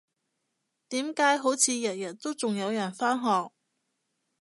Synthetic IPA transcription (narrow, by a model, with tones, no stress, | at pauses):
t̪iː˨˥mkaː˨˥jɦo˨˥wt͡sʰiː˨˧jɐ˨˩t̚jɐ˨˩t̚t̪o˥wt͡sʊ˨ŋjɐ˨˧wjɐ˨˩nfaː˥nɦɔː˨k̚